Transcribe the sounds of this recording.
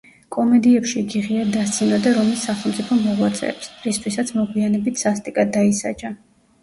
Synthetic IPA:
kʼɔmɛd̪iɛpʃiɡiʁiad̪ast̪sʰinad̪aɾɔmisːaχɛlˠmt̪sʼipʰɔmːɔʁwat̪sʼɛ̰ːpsɾist̪ʰwisat̪sʰmɔɡwianɛbit̪ʰz̥ast̪ʼikʼad̪aisa̰d͡ʒa

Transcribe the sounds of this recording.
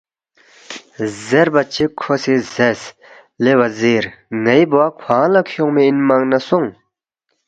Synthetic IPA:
zɛrpat͡ɕikʰːosʰezɛs | leʔwazeɹŋaipowakʰalakʰoŋmeinmaŋnasoŋ

